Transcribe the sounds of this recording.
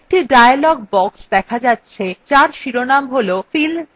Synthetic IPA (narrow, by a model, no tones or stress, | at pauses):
k̚ʈiɖajalɔɡbɔksd̪ɛkʰad͡ʑatːɕʰet͡ɕaɾʃiɾonamɦolofil